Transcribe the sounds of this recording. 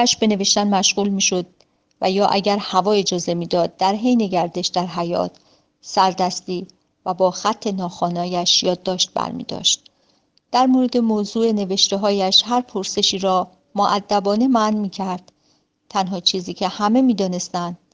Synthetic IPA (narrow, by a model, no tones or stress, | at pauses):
æʃbe̞ne̞ve̞ʃt̪ænmæʃɣuːlmiːʃo̞d̪̚ | væjɒːʔæɟæɾhævɒːe̞d͡ʒɒːze̞miːd̪ɒːd̪̚ːæɾɦejne̞ɟæɾd̪e̞ʃd̪æɾɦæjɒ̰ːt̪ʰ | sæɾd̪æst̪iː | væbɒːxæt̪ʰːe̞nɒːxɒːnɒːjæʃjɒːd̪ːɒːʃt̪̚bæ̰ɾmḭːd̪ɒ̰ːʃt̪̚ | d̪̥æɾmoɾe̞d̪e̞moːzuːe̞ne̞ve̞ʃt̪e̞ɦɒːjæʃhæɾpʰoɾse̞ʃiːɾɒː | moʔæd̪ːæbɒːne̞mænmiːcʰæɾd̪̥ | t̪ʰænɦɒːt͡ʃʰiːziːcʰe̞hæme̞miːd̪ɒːne̞st̪ænd̪̥̚